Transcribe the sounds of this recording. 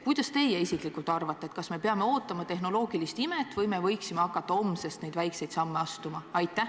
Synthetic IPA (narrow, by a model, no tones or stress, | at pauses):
kujd̪̥ɑst̪e̞jeisiklikːˑult̪ːˑɑrvɑt̪ˑːeet̪̚kɑsme̞peɑme̞o̞ːt̪ːˑɑmɑt̪e̞ɦno̞lo̞ːɡ̥ilist̪imet̪ːˑvɤjme̞vɤjksimeɑkːˑɑt̪ːɑo̞msest̪ne̞jd̪̥væjkse̞jd̪sɑmːe̞ɑst̪umɑɑjt̪ːæ